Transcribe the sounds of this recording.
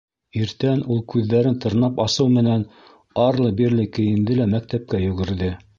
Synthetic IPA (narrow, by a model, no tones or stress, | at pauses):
iɾt̪ænulˠkʉðːæɾɘnt̪ɤ̆ɾnɑpɑsɤwmɘ̆næn | ɑɾlˠɤbiɾlɘkɘ̆jɘ̆nd̪ɘlæmæk̚t̪æp̚kæjɵ̆ɡɘ̆ɾðɘ